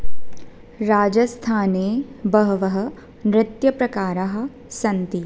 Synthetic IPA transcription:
ɾaːd͡ʒɐst̪ʰaːneːbɐɦʋɐɦɐ̆ | nɾɪt̪jɐpɾɐkaːɾɐɦɐ̆ | sɐnt̪i

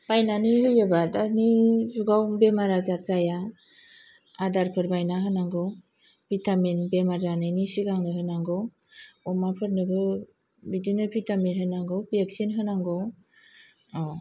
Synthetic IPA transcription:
bajnanihɯjabatanizuɡawbemaɾazaɾzaja | adaɾpʰɯɾbajnaɦɯnaŋɡɔ | bʰitaminbemaɾzanɯnisiɡaŋnɯɦɯnaŋɡɔ | ɔmapʰɯɾnɯbɯ | bidinɯpʰitaminɦɯnaŋɡɔbiek̚sinɦɯnaŋɡɔw | ɔ

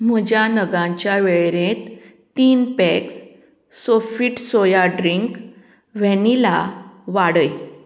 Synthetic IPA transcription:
m̤əd͡ʑjanəɡãɲt͡ɕjaʋeɭɾẽt̪ː | iːnpɛks | sofiʈsojaɖɾiŋk | ʋɛ̃nilaʋaɽəj

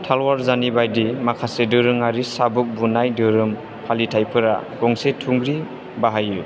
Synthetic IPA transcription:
tʰalwaɾzanibajdimakʰasedɯɾɯŋaɾisabɯk̚bunajdɯɾɯm | hʰalitʰajpʰɯɾa̰ɡɔŋsetʰuŋɡɾi | baɦaju

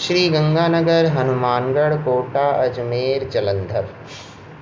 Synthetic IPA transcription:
ʃɾiːɡɐ̃ŋɡaːnəɡəɾɦɐnumaːnɡəɽkoːʈaːʔɐd͡ʒmeːɾd͡ʒɐlə̃nd̪ʱəɾ

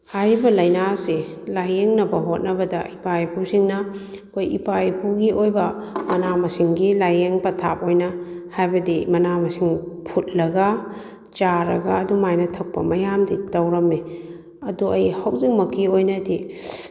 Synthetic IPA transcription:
hajibɐlɐjnaselajeŋnɐbɐɦot̚nɐbɐdɐʔipajpʰusiŋnɐkʰojḭpajpʰuɡiʔojbɐmɐnamɐsiŋɡilajeŋpɐtʰa̰p̚ojnɐhajbɐdimɐnamɐsiŋpʰut̚lɐɡɐ | t͡ʃaɾɐ̰ɡaːdumajnɐtʰɐk̚pɐ̰mɐjamditɐwɾɐmːe | ɐduʔɐjhawziŋmɐkiojnɐdi

